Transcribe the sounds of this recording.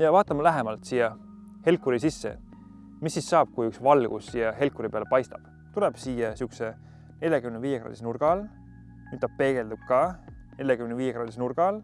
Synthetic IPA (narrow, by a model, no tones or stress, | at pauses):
jɑvɑːt̪ːˑɑmɑlæɦemɑlt̪sijɑ | he̞lkˑːuɾisisːḛ | misːisːɑːb̥̚kujyksvɑlɡ̥ṵsijɑɦe̞lkːuɾipe̞ɑlepɑjst̪ɑb̥ | t̪uleb̥siːjɑsiukse | ne̞lʲjɑkymneviːjekɾrɑ̰d̪isnurɡ̥ɑl | yt̪ːɑb̥̚pe̞ːɡ̥e̞ld̪ub̥̚kɑ | ne̞lʲjɑkymneviːjekrɑːd̪̥ʲisnurɡ̥ɑl